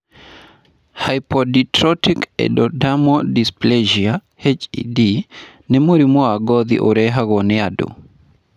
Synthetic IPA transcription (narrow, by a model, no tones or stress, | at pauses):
hajpɔditɾɔtikɛ̰dɔdamɔdispleʒia | het͡ʃḭdi | nɛmoɾimɔaɡɔðḭʔoɾɛɦaɣɔneado̰